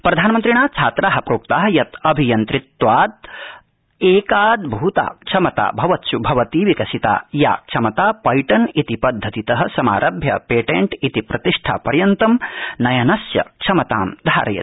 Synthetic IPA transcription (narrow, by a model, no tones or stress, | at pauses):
pɾɐd̪ʱaːnɐmɐnt̪ɾiɳ̃aːt͡ʃʰaːt̪ɾaːɦɐpɾoːk̚t̪aːɦɐjɐt̪ɐbʱijɐnt̪ɾit̪ʋaːt̪̚ | eːkaːd̪bʱuut̪a̰ːkt͡ʃʰɐmɐt̪a̰ːbʱɐʋɐt̪ʃubʱɐʋɐt̪iːʋikɐsit̪a̰ːja̰ːk̚t͡ʃʰɐmɐt̪aːpɐjʈɐnit̪ipɐd̪ʱːɐt̪it̪ɐɦɐ̆sɐma̰ːɾʔɐbʱjɐ̰peːʈeɳʈit̪ipɾɐt̪iʂʈʰa̰ːpɐɾjɐnt̪ɐmnɐjɐnɐsjɐ̰kt͡ʃʰɐmɐt̪aːmd̪ʱaːɾɐ̰jɐ̰t̪̚